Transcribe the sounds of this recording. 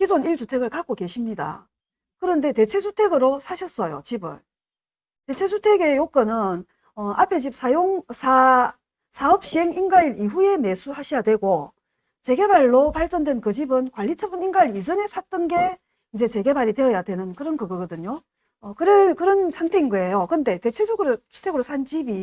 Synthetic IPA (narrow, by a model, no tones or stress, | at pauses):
kid͡ʑoniɭt͡ɕutʰe̞ɡɯɭkak͈̚oke̞ɕʰimɲida̰ | kɯɾʌnde̞te̞t͡ɕʰe̞sʰutʰe̞ɡɯɾosʰaɕʰʌs͈ʌjo̰t͡ɕibɯ̰n | te̞t͡ɕʰe̞sʰutʰe̞ɡe̞jok͈ɯnɯn | ʌapʰe̞t͡ɕip̚sʰajoŋsʰa | sʰaʌp̚ɕ͈ieŋinɡaiɾiɸuje̞me̞sʰuhaɕʰijadwe̞ɡo | t͡ɕe̞ɡe̞baɭːopaɭt͡ɕ͈ʌndwe̞nkɯd͡ʑibɯnkwaʎːit͡ɕʰʌbɯninɡaiɾid͡ʑʌne̞sʰat͈ɯnɡe̞ | ind͡ʑe̞t͡ɕe̞ɡe̞baɾitwe̞ʌjadwe̞nɯnkɯɾʌnkɯɡɯɡʌdɯɲo | ʌkɯɾekɯɾʌnsʰaŋtʰe̞inɡʌe̞jokɯnde̞te̞t͡ɕʰe̞sʰuɡɯɾosʰu̥tʰe̞ɡɯɾosʰant͡ɕibi